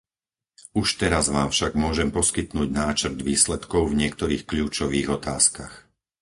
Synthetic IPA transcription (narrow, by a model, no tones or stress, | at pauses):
uʃt̪ɛɾazʋaːmfʃaɡmʊɔʒɛmpɔskit̪nuːɟnaːt͡ʃr̩d̪ʋiːslɛt̪kɔʊvɲɪɛkt̪ɔɾiːxkʎuːt͡ʃɔʋiːɣɔt̪aːskax